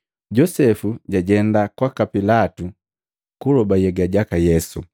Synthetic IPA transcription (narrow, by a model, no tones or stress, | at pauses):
ɟɔsɛfuɟaɟɛndakwakapilatu | kulɔbajɛɡaɟakajɛsu